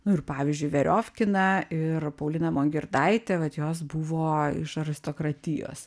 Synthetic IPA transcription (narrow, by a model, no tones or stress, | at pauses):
nʊɪrpɑːʋʲizʲd͡ʒʲʊɪʋʲɛɾʲʔoːfʲkʲɪnɐɪrpɐʊlʲɪnɐmoːŋʲɡʲɪɾd̪ɐɪt̪ʲɛʋɐt̪joːsbuʋoːɪ̰ʃɐɾʲɪst̪oːkɾɐt̪ʲɪjo̰ːs